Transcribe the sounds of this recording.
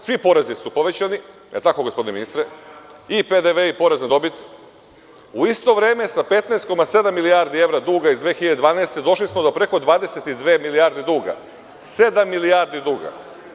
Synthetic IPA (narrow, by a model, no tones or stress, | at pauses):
sʋipo̞ɾezisupo̞ʋe̞t͡ɕani | elt̪ako̞ɡospoineinist̪ɾeiped̪eʋeipo̞ɾezned̪o̞bit̪ | uist̪o̞ʋɾe̞ːme̞sape̞t̪naest̪ko̞mase̞d̪amːiliaɾd̪ie̞ʋɾad̪uːɡaizd̪ʋeːxiʎad̪ed̪ʋaːnaest̪ed̪o̞ʃlismod̪o̞pɾe̞ko̞d̪ʋaːd̪e̞set̪id̪ʋeːmiliaːɾd̪id̪uːɡa̰ | se̞d̪amːiliaɾd̪id̪uːɡa̰